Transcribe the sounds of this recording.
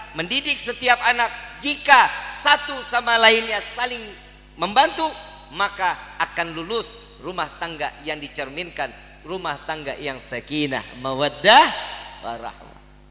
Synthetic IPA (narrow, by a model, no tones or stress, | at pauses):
məndidɪk̚sət̪iap̚anak̚d͡ʒikasat̪usamalaɪnɲasalɪŋ | məmbant̪u | makaːkanlulʊs | rumaht̪aŋɡajaŋdit͡ʃərmɪnkan | rumaht̪aŋɡajaŋsəkina̰hməwədahwa̰ɾa̰hma̰